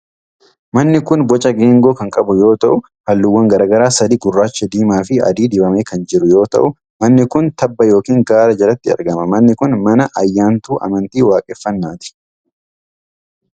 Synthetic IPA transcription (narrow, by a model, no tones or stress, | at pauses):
mɐnːɪkʊnbɔt͡ʃʼɐɡe̞ːŋɡo̞ːkɐŋkʼɐbʊjo̞ːt̪ɐʔʊ | hɐlːʊwːɐŋɡɐɾaːɡɐɾaːsɐd̪iːɡʊrːaːt͡ʃːɐd̪iːmaːfɪɐ̰d̪iːd̪ɪbɐmeːkɐnd͡ʒɪɾʊjo̞ːt̪ɐ̰ʔʊ | mɐnːɪkʊnt̪ɐbːɐjo̞ːkiːŋɡaːɾɐd͡ʒɐɾɐt̪ːɪɐ̰ɾɡɐmɐmɐnːɪkʊnmɐnɐʔɐjːaːnt̪uːʔɐ̰mɐnt̪iːwaːkʼɛfːɐnːaːt̪ɪ̥